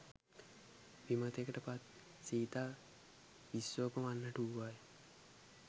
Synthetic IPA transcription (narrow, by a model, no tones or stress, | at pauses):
ʋimət̪ekəʈəpat̪̚ | siːt̪aː | ʋisːoːpəmanːəʈuaj